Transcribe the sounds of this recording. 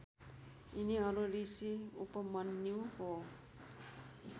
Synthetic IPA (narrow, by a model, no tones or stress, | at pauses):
iniʌɾuɾisiṵpʌmʌnːiwho